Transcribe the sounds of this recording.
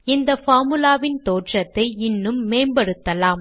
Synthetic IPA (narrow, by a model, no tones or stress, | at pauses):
ɪnd̪ɐfaːɾmɯlaːʋɪnt̪oːʈrɐt̪ːɐɪɪnːɯmːeːnbɐɽɯt̪ːɐlaːm